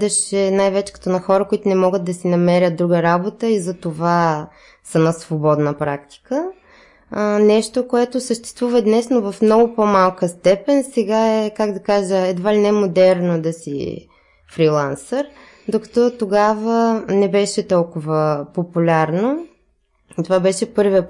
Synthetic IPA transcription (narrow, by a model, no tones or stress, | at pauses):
d̪ɛʃɛnajvɛt͡ʃɛ̥kɐ̥t̪ɔnɐxɔɾəkoit̪ʊnɛmɔɡət̪̚d̪ɐsinɐmɛɾʲət̪̚d̪ɾuɡəɾabot̪əizɐt̪ova | sɐnasvobɔd̪nəpɾak̚t̪i̥kə | nɛʃt̪okoɛt̪osəʃt̪ɛ̥st̪vuvɐd̪nɛsnovɐfmnɔɡopɔmalˠkəst̪ɛpɛnsɛɡaɛkaɡd̪ɐkaʒəɛd̪valinɛɛmod̪ɛɾnod̪ɐsḭ | fɾilˠansəɾ | d̪okɐ̥t̪ɔt̪oɡavənɛbɛʃɛt̪ɔlˠkʊvəpopulʲaɾno | it̪ovabɛʃɛpɤɾvi